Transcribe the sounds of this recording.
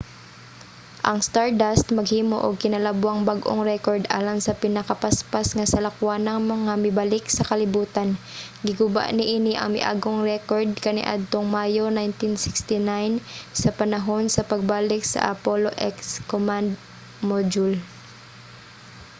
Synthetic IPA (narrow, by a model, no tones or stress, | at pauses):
ʔɐŋst̪aɹd̪ast̪mɐɡ̚hiːmo̰ʔoɡ̚kɪnɐlabwɐŋbaɡʔo̰ŋɾɛkoɹd̪ʔa̰ːlaŋsɐpɪnɐkɐpaspasŋɐsɐlɐkwanɐŋmɐŋːamɪbɐlɪk̚sɐkɐlɪbuːt̪anɡɪɡʊba̰ʔnɪʔinɪʔɐ̰ŋmɪ̰ʔa̰ɡoŋɾɛkoɹd̪̚kɐnɪ̰ʔa̰d̪̚t̪oŋmajo̞najnt̪ɪnsɪkst̪ɪnajnsɐpɐnɐɦo̞nsɐpɐɡ̚baːlɪk̚sɐ̰ʔɐ̰poloʔɛkskomand̪ | mod͡ʒʊl